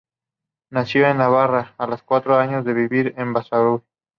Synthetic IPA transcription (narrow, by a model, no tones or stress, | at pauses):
nasjo̞enːaβaraːloskwat̪ɾoaɲozðe̞βiβiɾembasaβu